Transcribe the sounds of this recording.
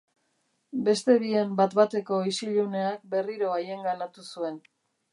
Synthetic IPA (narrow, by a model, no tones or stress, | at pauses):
be̞st̪e̞βiembat̪bat̪e̞ko̞isiʎuneak̚be̞riɾo̞aje̞ŋɡanat̪usue̞n